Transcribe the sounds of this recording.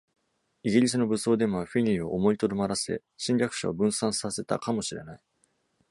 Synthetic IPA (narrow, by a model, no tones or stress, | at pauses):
iɡʲiɾʲis̬ɨno̞bɯ̟so̞ːd̪e̞moβaɸʲiɲʲio̞̰ʔomo̞it̪oɾomaɾase̞̰ | ɕĩɲɾʲakɯ̟̥ɕaobɯ̟̃ɰ̃sãɰ̃sase̞t̪a̰kamo̞ɕiɾe̞̰nai